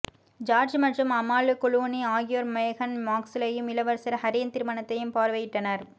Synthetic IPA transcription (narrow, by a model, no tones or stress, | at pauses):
d͡ʒaːɾd͡ʒmɐʈrɯmɐmaːlɯkʊɭuːniaːɣɪjʋɐɾmɐjɐɣɐnmaːksɪlɐjɯmɪlɐʋɐɾsɐɾhɐɾiːɐnt̪ɪɾɯmɐɳɐt̪ːɐjɯmpaːɾʋɐjɪʈːɐnɐɾ